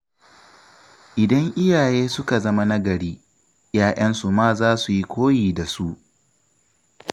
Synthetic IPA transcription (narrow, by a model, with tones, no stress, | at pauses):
ʔɪ˨dɐ˦ŋʔɪ˦jaː˨jeː˦sʊ˦ka˨zɐ˦ma˦na˦ɡɐ˨ɽiː˦ | jaː˨ʔɐ˦nsu˨maː˦zaː˦su˨ji˦kʷoː˦jiː˨da˨su˦ʔ